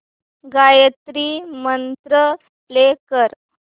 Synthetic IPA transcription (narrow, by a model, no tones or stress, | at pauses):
ɡajət̪ɾimənt̪ɾə | lekəɾ